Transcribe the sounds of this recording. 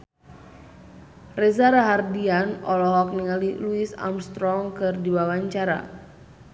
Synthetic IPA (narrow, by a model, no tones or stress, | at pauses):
rɛzaɾaɦardianɔ̰lɔɦɔk̚niŋaliluisa̰mst̪ɾɔŋkɨrdiwawaɲt͡ʃaɾa̰